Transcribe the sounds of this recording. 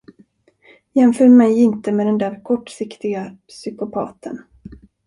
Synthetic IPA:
jɛmfœːɾmɛjɪnt̪əmɛd̪ɛnd̪æːɾkʰɔʈːsɪkt̪ɪɡa | sʏkʊpʰɑ̰ːt̪ʰə̰n

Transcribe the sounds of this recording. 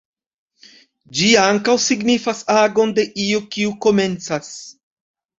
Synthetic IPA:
d͡ʒiaŋkawsiɡnifasaɡo̞nde̞ʔiokiuko̞me̞nt͡sas

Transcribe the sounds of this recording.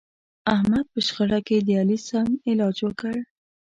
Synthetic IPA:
ahmad̪̚pəʃxaɽaked̪əalisamɪlɑd͡ʒwəkəɽ

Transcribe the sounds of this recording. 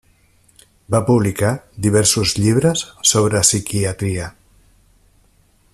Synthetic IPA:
bapuβlikad̪iβ̞ɛɾsuzʎiβ̞ɾəsːoβɾəsikiət̪ɾiə

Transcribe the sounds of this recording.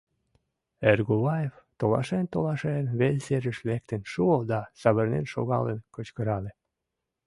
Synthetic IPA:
erɣuβɑjeft̪olɑ̰ʃent̪olɑʃenβelʲseɾəʃlek̚t̪enʃuod̪ɑsɑβərnenʃoɣɑ̰lenkət͡ɕkəɾɑle

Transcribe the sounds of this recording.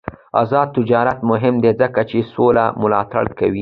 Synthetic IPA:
a̰zɑd̪̚t̪ʊd͡ʒɑɾat̪mʊɦɪmd̪ezəkat͡ʃesolamʊlɑ̰t̪a̰ɽkawi

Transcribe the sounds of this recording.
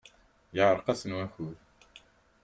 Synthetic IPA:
jəʕɾˤqɑsənwæxuɾ

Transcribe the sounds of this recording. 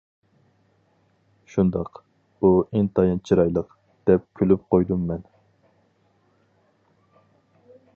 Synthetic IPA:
ʃund̪ɑq | buint̪ʰɑjɑnt͡ʃʰiɾɑjlˠəq | d̪̥ɛp̚kʲʰølyp̚qʰojd̪umːɛn

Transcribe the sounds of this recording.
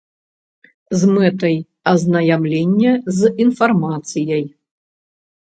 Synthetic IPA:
zmɛt̪ɐj | ɐznɐjamlʲenʲːɐzinfarmat̪sɨjɐj

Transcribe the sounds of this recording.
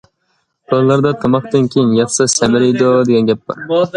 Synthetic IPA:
t̪ʰolˠlˠɑɾd̪ɑt̪ʰɑmɑq̚t̪ɨnkʲʰejɪŋjɑt̪sɑsɛmɪɾid̪od̪eɡʲɛnɡʲɛp̚ːɑ̰ɾ

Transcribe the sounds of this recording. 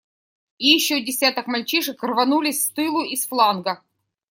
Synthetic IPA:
ijɪɕːodʲɪsʲat̪əkmɐlʲt͡ɕiʂɨkrvɐnulʲɪsʲst̪ɨlˠʊisflˠanɡə

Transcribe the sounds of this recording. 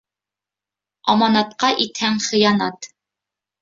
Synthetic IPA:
ɑmɑnɑt̪̚qɑʔit̪hɛŋχijɑnɑ̰t̪

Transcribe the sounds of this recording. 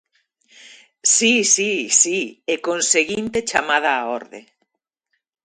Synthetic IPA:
sisisiekonseɣint̪et͡ʃamað̞aːoɾðḛ

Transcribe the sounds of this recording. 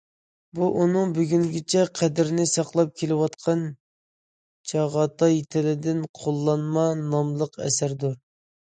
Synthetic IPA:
buʔunɨŋbyɡʲyŋɡʲɪt͡ʃʰɛqʰæd̪ɪɾnɪsɑqlˠɑp̚kʲʰelɪwɑt̪̚qʰɑn | t͡ʃʰɑʁɑt̪ɑjit̪ʰɪlɪd̪ɪnqʰolˠːɑnmɑnɑmlˠəqɛ̰sæɾd̪uɾ

